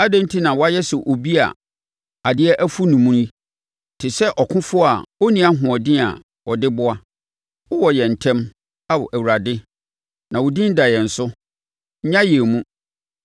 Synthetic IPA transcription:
a˦dã˦n˦tʰi˦nã˨wɔ˦a˦jɛ˦sʊ˨ʔo˨bi˦a̰˨ | a˨dɪ˦ɛ˦ʔæ˦fu˦nũ˨mũ˦i˦ | tʰɪ˨sɛ˦ʔɔ˨kʰʊ̃˦fʊ˦a˨wo˦nĩ˨a˦ɦʊ̃˨ɔ˨dɪ˦a̰˨ | wɔ˨dɪ˦bʊ˦a˦ | wʊ˦wɔ˨jɛ˨n̩˨tʰɛ̃˦m | a˨wɔ˨ʔæ˨wu˨a˨dɪ˦ | nã˨wʊ˨dĩ˦n̩˦da˨jɛ˨n̩˨sʊ˦ | ɲã˦jɛ˨mũ˦

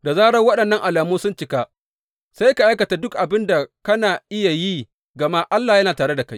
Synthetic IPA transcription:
da˨zaː˦ɽɐ˦ŋwɐ˦ɗɐ˨nːɐ˦ŋʔa˨laː˨muː˦sʊ˦nt͡ʃɪ˦ka˦ | sa˦jka˨ʔa˦kɐ˨ta˨dʊ˦kʔa˨bɪ˦nda˨kɐ˦naː˨ʔɪ˦ja˨jiː˦ | ɡɐ˨ma˦ʔa˦lːaː˨jɐ˦naː˨taː˨ɽe˦da˨ka˦j

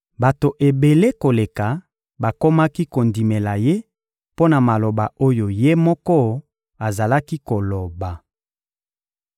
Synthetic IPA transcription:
ba˨to˨ʔe˨be˨le˦ko˨le˨ka˨ | ba˨ko˦ma˦ki˦ko˨ndi˨me˨la˨je˦ | po˦na˨ma˨lo˨ba˨o˦jo˨je˦mɔ˦kɔ˦ | a˨za˨la˦ki˦ko˨lo˨ba˨

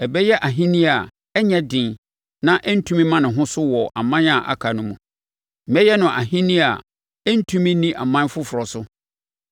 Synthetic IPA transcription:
ɛ˨bɛ˦jɛ˦ʔa˨ɦĩ˦nĩ˦a˨ | ɛ˦ɲɛ̃˦dɪ̃˨n | nã˦ʔɛ˦n̩˦tʰũ˦mĩ˦mã˦nɪ̃˨ɦʊ̃˦sʊ˦wɔ˨ʔa̰˨mã˦n˦a˨ʔa̰˨kʰa˨nʊ̃˦mũ˨ | m̩˨ɛ˦jɛ˦nʊ̃˨ʔa˨ɦĩ˦nĩ˦a˨ | ɛ˦n̩˦tʰũ˦mĩ˦nĩ˦ʔa˨mã˦n˦fʊ˦fʊ˨ɾɔ˨sʊ˦

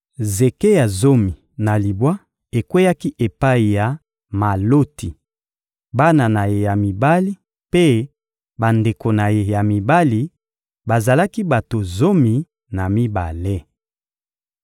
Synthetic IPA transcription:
ze˨ke˦ja˨zo˦mi˨ | na˨li˨bwa˦ | e˨kwe˦ja˦ki˦ʔe˨pa˦i˨ja˨ | ma˨lo˦ti˨ | ba˦na˨na˨je˨ja˨mi˨ba˦li˦ | pe˦ | ba˨nde˨ko˨na˨je˨ja˨mi˨ba˦li˨ | ba˨za˨la˦ki˦ba˨to˨zo˦mi˨ | na˨mi˦ba̰˨le˦

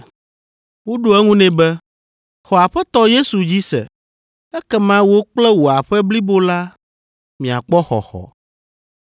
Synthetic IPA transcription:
wo˦ɖo˦ɛ˦ŋũ˦nɛ̃˨bɛ˦ | xɔ˨a˨ɸɛ˦t̪ɔ˦je˦su˨d͡ʑi˦sɛ̰˨ | ɛ˦kɛ˦mã˦wo˦k͡plɛ˦wo˨a˨ɸɛ˦bli˦bo˦la˦ | mĩ˨a̰˨k͡pɔ˦xɔ̰˨xɔ̰˨

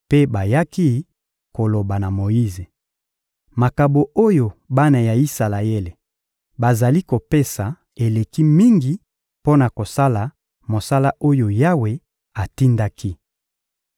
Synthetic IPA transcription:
pe˦ba˨ja˦ki˦ | ko˨lo˨ba˨na˨mo˨ji˦ze˨ | ma˨ka˨bo˨o˦jo˨ba˦na˨ja˨i˦sa˨la˨je˦le˨ | ba˨za˨li˦ko˨pe˦sa˨ | e˨le˨ki˦mi˦ŋɡi˨ | po˦na˨ko˨sa˦la˨ | mo˨sa˦la˦ʔo˦jo˨ja˦we˨ | a˨ti˦nda˦ki˦

